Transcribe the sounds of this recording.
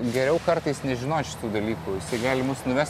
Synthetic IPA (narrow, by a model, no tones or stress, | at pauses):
ɡʲɛɾʲɛʊkɐrt̪ɐɪsnʲɛʒʲɪnoːt͡ʃʲɪ̥t̪uːd̪ɐlʲiːkuːjɪsɐɪɡɑːlʲɪmʊsnʊʋʲæsʲ